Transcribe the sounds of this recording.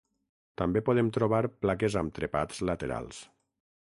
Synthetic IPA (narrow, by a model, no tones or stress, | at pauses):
t̪ambepoðemt̪ɾoβaɾplakezamt̪ɾepat̪z̥lət̪eɾa̰lˠs